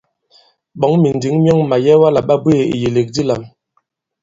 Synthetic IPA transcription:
ɓɔ˨˦ŋmi˨n˨di˨˦ŋmjɔ˦ŋma˨jɛ˦wa˦la˨ɓa˦bwe˦e˨ḭ˨je˨le˨k̚di˦la˨m

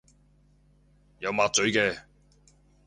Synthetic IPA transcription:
jɐ˨˧wmaː˨˧t̚t͡sɵ˨˧˥ɥkɛː˧

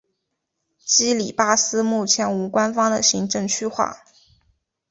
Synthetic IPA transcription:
t͡ɕi˥li˨˩pa˥sɹ̩˥mu˥˩t͡ɕʰjɛ˧˥nu˧˥kwa˥nfɑ˥ŋd̪ə˨ɕi˧˥ŋʈ͡ʂɤ˥˧ŋt͡ɕʰy˥xwa̰˥˩

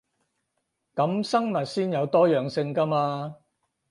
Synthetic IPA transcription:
kɐ˨˥msɐ˥ŋmɐ˨t̚siː˥njɐ˨˧wt̪ɔː˥jœː˨˩ŋsɪ˧ŋkɐ˥maː˧

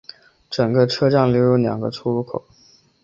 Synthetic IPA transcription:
ʈ͡ʂɤ˨˩ŋɡə˧ʈ͡ʂʰɤ˥ʈ͡ʂjɑ˥˩ŋljo˧˥ʊjo˧˥ʊljɑ̰˨˩ŋɡə̰˦ʈ͡ʂʰu˥lu˥˩kʰo̰˨˩˦

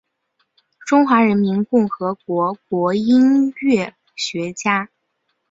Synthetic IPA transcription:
ʈ͡ʂʊ˥ŋxwa˧˥ɻə˧˥nmi˧˥nkʊ˥˩ŋxɤ˧˥kwɔ˧˥k̚wɔ˧˥i˥nɥɛ˥˩ | ɕɥɛ˧˥t͡ɕja˥

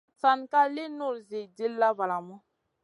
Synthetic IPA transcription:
sa˨nka˦le˦nʊ˦˨ɾze˨de˦lːa˦ba˨la˨mɔ˦

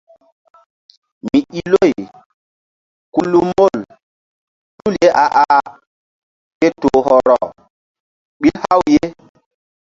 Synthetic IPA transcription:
mi˨i˦˨lo˦˨j | ku˦lu˦mo˦˨l | tu˦lje˦ʔa˨ʔa˨ʔa˨ | ke˦to˨ɦɔ˨ɾɔ˨ | ɓi˦lha˦wje˦

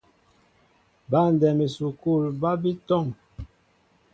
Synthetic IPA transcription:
ba˦˨n˨dɛ˨me˨su˨ku˦˨lba˦bi˦tɔ˦˨ŋ

